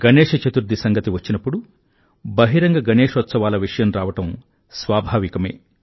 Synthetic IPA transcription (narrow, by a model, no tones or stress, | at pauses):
ɡ̥ɐneːʂɐt͡ʃɐt̪uɾd̪ʱisɐŋɡɐt̪iʋɐt͡ʃːinɐpːuɽu | bɐɦiɾɐŋɡɐɡɐneːʂɔt̪sɐʋaːlɐʋiʂɐjɐmɾaːʋɐʈɐm | sʋaːbʱaːʋikɐmḛː